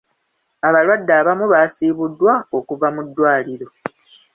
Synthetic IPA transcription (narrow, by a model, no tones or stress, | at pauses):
aβalwadːaːβamuβasiːβudːwaokuvamudːwaːliɾo̞